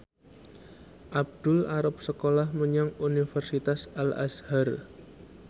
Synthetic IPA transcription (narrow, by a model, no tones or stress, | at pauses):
ʔab̚d̪̥ʊlaɾʊp̚səkolahməɲaŋunifɛrsit̪asala̰shar